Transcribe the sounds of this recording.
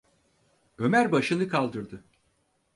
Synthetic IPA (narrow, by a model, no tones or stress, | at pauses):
ø̞mæɾbaʃɯnɯkʰalˠd̪ɯɾd̪ɯ